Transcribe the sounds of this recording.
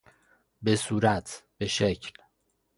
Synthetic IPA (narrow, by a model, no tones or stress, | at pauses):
be̞suːɾæt̪ʰb̥eʃecʰl